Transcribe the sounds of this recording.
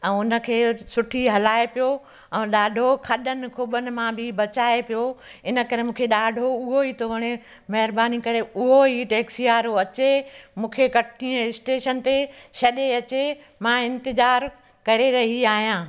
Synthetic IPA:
ɛ̃ːʊnə̆kʰeːsʊʈʰiɦɐlaːepijo | ɛ̃ːɗaːɖʱokʰɐɗənɪ̆kʰuːbənɪ̆mãbʱɪbɐt͡ɕaːepijoɪnə̆kɐɾemũːkʰeɗaːɖʱoʊɦoɦiːt̪ʰoʋɐɽ̃e | mɐɦɪɾbaːnikɐɾeʊɦoɦiʈeːksiaːɾoɐt͡ɕemũːkʰekɐʈʰniəɪsʈeːʃənt̪eʃɐɗeɐt͡ɕe | mãːɪ̃nt̪ɪzaːɾ | kɐɾeɾɐɦiaːɦijãː

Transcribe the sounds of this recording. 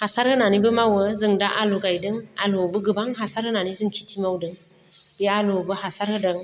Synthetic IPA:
hasaɾhɯnanibɯmawɯzɯŋdaʔaluɡajdɯŋalubɯɡɯbaŋɦasaɾhɯnanizɯŋkʰi̥tʰimawdɯŋ | bialubɯɦasaɾhɯdɯŋ

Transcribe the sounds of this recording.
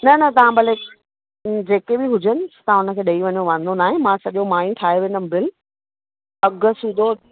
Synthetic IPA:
nɐnɐt̪ɐʋ̤ãbɐle | d͡ʑeːkebɪɦʊd͡ʑənɪ̆st̪ɐãʊnə̆kʰeːɗɐiʋɐɲoʋɐ̃nd̪onaːɦẽmãsɐʄomaːĩʈʰaːɦeʋẽːnd̪əmbɪl | ɐɡəsũːd̪ʱo

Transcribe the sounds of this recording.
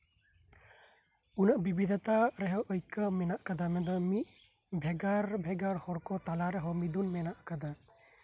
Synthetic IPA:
unaʔbibid̪ʱat̪aɾɛɦɔwʔɔjkəmɛnaʔkad̪amɛd̪ɔmiʔ̪̚bʱɛɡaɾbʱɛɡaɾhɔɾkɔt̪alaɾɛɦɔmid̪unmɛnaʔkad̪a

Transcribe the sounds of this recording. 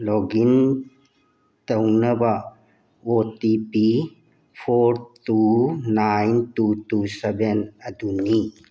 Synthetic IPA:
lɔɡin | tɐwnɐbɐ | otipi | pʰoɾtunajntutusebenɐduni

